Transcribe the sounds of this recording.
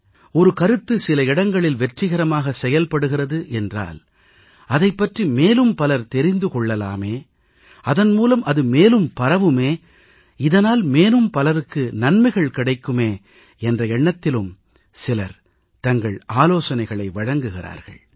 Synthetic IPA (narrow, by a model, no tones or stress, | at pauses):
ɔɾɯkɐɾɯt̪ːɯsɪlɐɪɽɐŋɡɐɭɪlʋɛʈrɪɣɐɾɐmaːɣɐsɛjɐlpɐɽɯɣɪrɐðɯʔɛndra̰ːl | ɐðɐɪpːɐʈrimeːlɯmpɐlɐɾt̪ɛɾɪnd̪ɯkɔɭːɐla̰ːmeː | ɐðɐnmuːlɐmʔɐðɯmeːlɯmpɐɾɐʋɯmeː | ɪðɐnaːlmeːnɯmpɐlɐɾɯkːɯnɐnmɐɪɣɐɭkɪɽɐɪkːɯmeː | ɛndrɐɛɳːɐt̪ːɪlɯm | sɪlɐ̰ɾ | t̪ɐŋɡɐɭaːloːsɐnɐɪɣɐɭɐɪʋɐɻɐŋɡɯɣɪra̰ːɾɣɐ̰ɭ